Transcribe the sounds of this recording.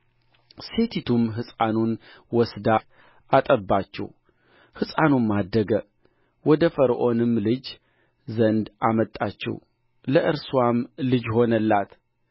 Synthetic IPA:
se̞t̪ʰit̪ʰumɦɨsʼanun | wɔsd̪a | at̪ʼəbːat͡ʃːɛ̰w | hɨsʼanunmːad̪ːəɡə | wɔd̪əfəɾʔo̞nɨmlɨd͡ʒ | zənd̪ʔamət̪ʼat͡ʃːɛ̰w | ləʔɨɾswamlɨd͡ʒho̞nəlːat̪

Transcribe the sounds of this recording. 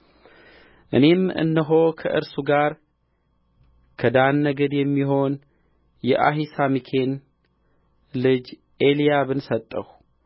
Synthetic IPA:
ʔɨne̞mɨ̰nːəɦo̞kʰə̰ʔɨ̰ɾsuɡaɾ | kʰəd̪anːəɡəd̪jɛmːiɦo̞n | jɛʔa̰ɦisamikʰe̞n | lɨd͡ʒ | ʔelijaβɨnsət̪ʼːəw

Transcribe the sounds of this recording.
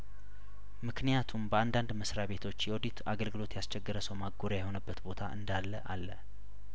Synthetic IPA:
mɨknijat̪ʰumbəand̪and̪məsɾaβe̞t̪ʰo̞t͡ʃːjɛwod̪it̪ʰaɡəlɡɨlo̞t̪jast͡ʃɛɡːɨɾəsəwmaɡoɾjajɛho̞nəbːət̪bo̞t̪ʰa̰ʔɨ̰nd̪alːəʔalːə

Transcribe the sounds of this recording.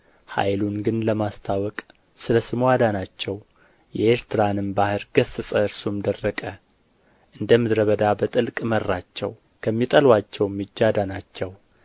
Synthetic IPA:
ha̰jlunɡɨnləmast̪ʰawɔkʼ | sɨləsɨmuad̪anat͡ʃːɛw | jɛeɾt̪ʰɨɾanɨmbahɨɾɡ̥əsɨsʼəɨɾsumd̪ərːəkʼə | ʔɨnd̪əmɨd̪ɾəβəd̪abət̪ʼɨlkʼmərːat͡ʃːɛ̰w | kʰəmːit̪ʼəlwat͡ʃːɛwmːɨd͡ʒːad̪anat͡ʃːɛw

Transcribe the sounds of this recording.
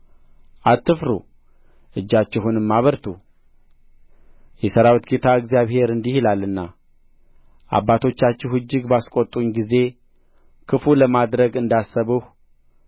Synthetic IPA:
ʔat̪ːɨfɾṵ | ʔɨd͡ʒːat͡ʃːɛɦunɨmːaβəɾt̪ʰu | jɛsəɾawt̪kʰet̪ʰaɨɡzijaβhe̞ɾɨnd̪ihilalːɨnːa | ʔa̰bːat̪ʰo̞t͡ʃːat͡ʃːɛhɨd͡ʒːɪɡbaskʼot̪ʼːuɲɡize̞ | kʰɨfuləmad̪ɾəɡɨnd̪asːəβɨh

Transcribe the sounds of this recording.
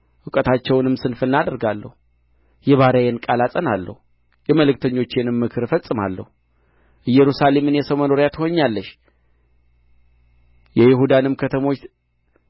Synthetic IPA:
ʔɨkʼət̪ʰat͡ʃːɛwnɨmsɨnfɨnːad̪əɾɡalːə̰hu | jɛβaɾəjɛnkʼalasʼənalːə̰hu | jɛməlɨkt̪ʰəɲːo̞t͡ʃːɪnɨmːɨkʰɨɾfəsʼːɨma̰lːə̰hu | ʔɨjɛɾusale̞mɨnjɛsəwməno̞ɾjat̪ʰho̞ɲːalːəʃ | jɛjɪhud̪anɨmkʰət̪ʰəmo̞t͡ʃ

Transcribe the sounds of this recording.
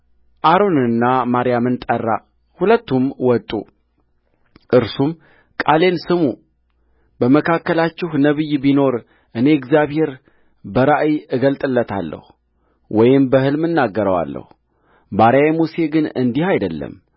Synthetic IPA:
ʔaɾo̞nɨnːamaɾijamɨnt̪ʼərːa̰ | hulət̪ːumwɔt̪ʼṵ | ʔɨɾsum | kʼale̞nsɨmu | bəməkʰakːəlat͡ʃːɪhnəβɨjbino̞ɾ | ʔɨne̞ɛɡzjaβhe̞ɾ | bəɾaʔjɨɡəlt̪ʼɨlːət̪ʰa̰lːə̰hu | wɔjɪmbəhɨlmɨnːaɡːəɾəwa̰lːə̰hu | baɾjajmuse̞ɡɨnɨnd̪ihajd̪əlːə̰m

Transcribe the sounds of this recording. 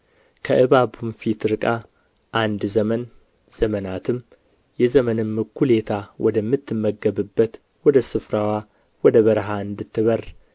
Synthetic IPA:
kʰəʔɨβabumfit̪ɾɨkʼa | ʔand̪zəmən | z̥əmənat̪ʰɨm | jɛzəmənɨmːɨkʰːule̞t̪ʰawɔd̪əmːɨt̪ːɨmːəɡːəβɨbːət̪ | wɔd̪əsɨfɾawa | wɔd̪əβəɾɦaɨnd̪ɨt̪ʰːɨβər

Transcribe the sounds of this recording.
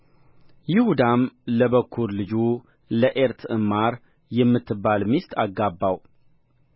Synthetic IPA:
jɪhud̪amləβəkʰːuɾlɨd͡ʒu | ləʔeɾt̪ʰɨmaɾ | jɛmːɨt̪ʰːɨbːalmist̪ʰaɡːabːaw

